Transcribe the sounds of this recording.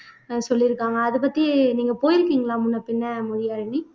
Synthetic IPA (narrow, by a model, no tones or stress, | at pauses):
sɔlːɪɾɯkːaːŋɡɐːðɯpɐt̪ːiniːŋɡɐpoːjɪɾɯkːiːŋɡɐɭãːmʊnːɐpːɪnːɐmʊðɪjaːɾɪɳi